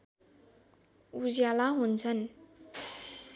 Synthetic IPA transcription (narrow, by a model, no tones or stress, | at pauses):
ud͡zjalaɦunt͡sʰʌn